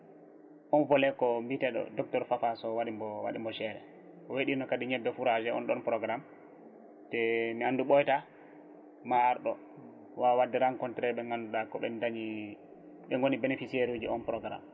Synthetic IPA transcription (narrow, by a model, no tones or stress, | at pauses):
ʔɔnvɔlɛkːɔmbitɛɗɔ̰dɔk̚tɔɾfafasɔwaɗimbɔwa̰ɗimbɔʃɛɾɛ̰ | ɔweɗinɔkadiɲɛbːɛfuɾad͡ʒɛɔ̰nɗɔnpɾɔɡɾam | tɛmianduɓɔjta | maːɾɗɔ | wawadːɛɾaŋkɔntɾɛɓɛŋɡanduɗakːɔɓɛ̰ndaɲi | ɓɛŋɡonibenefisieɾud͡ʒiɔnpɾɔɡɾa̰m